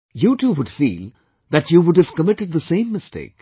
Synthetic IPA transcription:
juʈuːwʊɖfḭːl | ðætjuwʊɖɨv̥kəmɪʈɨd̪̚ðəsẽɪ̃mːɪstḛɪk

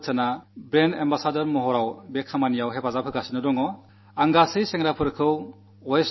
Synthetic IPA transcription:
tʰanabɾenembasadɔɾmɔɦɔɾawbek̚samanijawɦepʰazapʰɯkasinɯdɔŋɔ | aŋɡasɯseŋɾapʰɯɾkʰɯw | ɔjs

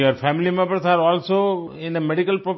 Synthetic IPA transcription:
jəɾfæmlimãpə̃saɾɔlsoɪ̃nəmɛɖikəlpɾɔp

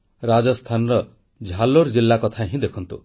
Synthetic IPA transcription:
ɾad͡ʒɔst̪ʰanɔɾɔ | d͡ʒʱaloɾd͡ʒilːakɔt̪ʰaɦĩd̪ekʰɔnt̪u

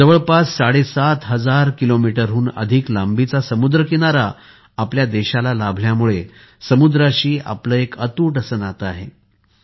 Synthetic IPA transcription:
d͡zəʋəɭpasːaɽesat̪ɦəd͡zaɾkilomiʈəɾɦuːnə̰d̪ʱiklambit͡sasəmud̪ɾəkiɽ̃aɾa | apljad̪eɕalalabʱljamuɭe | səmud̪ɾaɕiːa̰pləːekət̪uːʈəsənat̪əaɦḛ

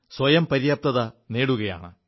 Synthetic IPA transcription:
swɐjɐmpɐɾijɐp̚t̪ɐðɐne̞ːɽuɣɐja̰ːɳɨ

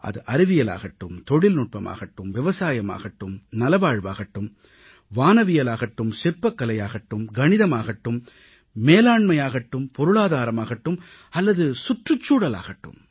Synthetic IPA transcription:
ʔɐ̰ðɯʔɐɾɪʋɪjɐla̰ːɣɐʈːɯmt̪ɔɽɪlnʊʈ̚pɐma̰ːɣɐʈːɯmʋɪʋɐsaːjɐma̰ːɣɐʈːɯmnɐlɐʋaːɻʋa̰ːɣɐʈːɯm | ʋaːnɐʋɪjɐlaːɣɐʈːɯmsɪrpːɐkːɐlɐjaːɣɐʈːɯmɡɐɳɪðɐmaːɣɐʈːɯmː | eːlaːɳmɐjaːɣɐʈːɯmpɔɾɯɭaːðaːɾɐmaːɣɐʈːɯm | ɐlːɐðɯsʊʈrɯt͡ʃːuːɽɐla̰ːɣɐʈːɯ̰m

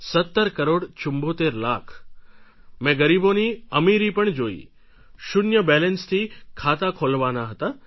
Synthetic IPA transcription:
sət̪ːəɾkəɾoɽt͡ʃʊmbot̪eɾlakʰ | mɛ̃ɡəɾiboniəmiɾipəɳd͡ʒoḭ | ʃʊnjəbɛlɛnst̪ʰikʰat̪akʰolʋanaɦət̪a

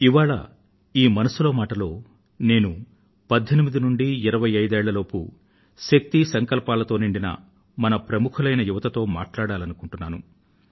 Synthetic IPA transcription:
iʋaːɭɐ̰ | iːmɐnɐsulo̞ːmaːʈɐlo̞ː | ne̞ːnu | pɐd̪ʱːenimid̪inuɳɖiiɾɐʋɐjɐjd̪ɛːɭːɐlo̞ːpṵ | ʃɐk̚t̪isɐŋkɐlpaːlɐt̪o̞ːniɳɖinɐ̰ | mɐnɐpɾɐmukʰulɐjnɐjuʋɐt̪ɐt̪o̞ːma̰ːʈlaːɽaːlɐnukuɳʈunːaːnṵ

